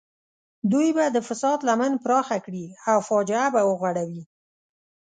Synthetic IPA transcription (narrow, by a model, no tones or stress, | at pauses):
d̪ujbad̪əfɪsɑd̪lamanpɾɑxakɽiawfɑd͡ʒɪabawəɣwaɽawi